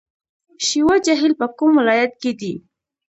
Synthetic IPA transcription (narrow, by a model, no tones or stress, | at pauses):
ʃiwad͡ʒaɦilpəkʊmwɪlɑjat̪̚ked̪i